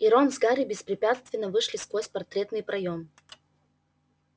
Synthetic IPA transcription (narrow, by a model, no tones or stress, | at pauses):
iɾonzɡaɾʲɪbʲɪspɾʲɪpʲat̪st̪vʲɪnːəvɨʂlʲɪskvosʲpɐrt̪ɾʲet̪nɨjpɾʔɐjom